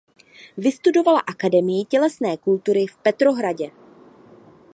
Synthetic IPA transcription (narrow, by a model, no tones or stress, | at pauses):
vɪst̪udo̞vala̰ʔakadɛmɪjɪcɛlɛsnɛːkult̪uɾɪfpɛt̪ɾo̞ɦɾaɟɛ